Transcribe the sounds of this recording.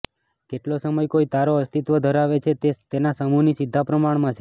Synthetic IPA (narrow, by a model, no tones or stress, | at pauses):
keʈlosəməjkoit̪aɾoəst̪it̪ʋəd̪ʱəɾaʋet͡ʃʰet̪et̪enasəmunisid̪ʱːapɾəmaɳmãt͡ʃʰe